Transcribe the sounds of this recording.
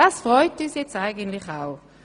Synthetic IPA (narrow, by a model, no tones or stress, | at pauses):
asfʁɔʏtyːsjɛt͡staɪɡəntlɪχaʊ